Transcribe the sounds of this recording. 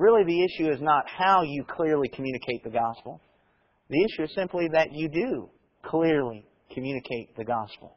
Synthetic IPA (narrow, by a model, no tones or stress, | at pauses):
ɹɪlˠiðiɪʃʉɨznət̚haʊjɨkʰl̥ɪɹlikʰmjʉñɨkʰeɪt̪̚ðɨɡɑspl̩ˠ | ðiɪʃʉɨz̥sɪ̃mpliðɨt͡ʃɨdɨ | kʰl̥ɪɹli | kʰɨmjʉnɨkʰeɪt̪̚ðɨɡɑspl̩ˠ